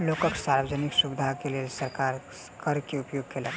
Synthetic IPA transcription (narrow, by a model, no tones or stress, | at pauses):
lokəksaɾbəd͡ʒəniksubɪd̪ʱakelesəɾkaɾ | kəɾkeupjoːɡ̚kʰelə